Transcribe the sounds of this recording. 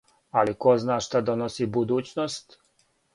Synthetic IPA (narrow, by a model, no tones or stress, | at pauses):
alikoznaːʃt̪ad̪onosibud̪uːt͡ɕnost̪